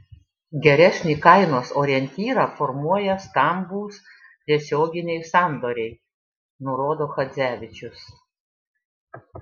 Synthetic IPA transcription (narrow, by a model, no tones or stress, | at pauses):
ɡʲɛɾʲɛsʲnʲiːkɐɪnoːsoːɾʲɛnʲt̪ʲiːɾɑfɔɾmuɔjɛst̪ɐmbuːs | t̪ʲiɛsʲoːɡʲɪnʲɛɪsɑˑnd̪oːɾʲɛɪ | nʊɾoːd̪oːxɐd̪zʲæːʋʲɪt͡ʃʲʊs